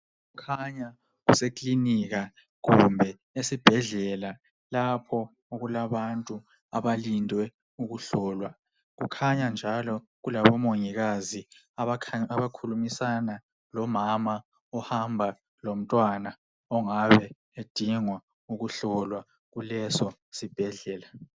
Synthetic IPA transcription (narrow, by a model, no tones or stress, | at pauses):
ɣukʰaɲa | ɣusekʼliniɣa | ɣumbʱɛ | esib̥ʱɛɮɛla | lapʰɔ | oɣulaβantʼu | a̰βalindʱwɛ | uɣuɬɔːlwa | ɣṵkʰaɲand͡ʒʱalɔ | ɣulaβɔmoŋiɣazi | aβʰaβakʰulumisana | lɔmama | ɔhambʱa | lom̩tʼwana | ɔŋaβɛ | ed̥ʱiŋwa | uɣuɬɔlwa | ɣulɛsɔsib̥ʱɛɮɛːla